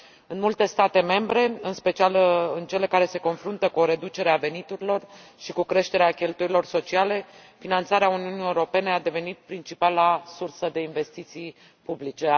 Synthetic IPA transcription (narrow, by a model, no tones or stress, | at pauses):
ɨnmult̪e̞st̪at̪e̞me̞mbɾe̞ɨnspe̞t͡ʃialɨnt͡ʃe̞le̞kaɾe̞se̞ko̞nfɾunt̪əkuo̞ɾe̞d̪ut͡ʃe̞ɾeave̞nit̪uɾilo̞rʃikukɾe̞ʃt̪e̞ɾeakʲelt̪uɾilo̞rso̞t͡ʃiale̞finant̪saɾeauniunijeuɾo̞pe̞ne̞ad̪e̞ve̞nit̪̚pɾint͡ʃipalasursəd̪e̞inve̞st̪it̪sij | publit͡ʃe̞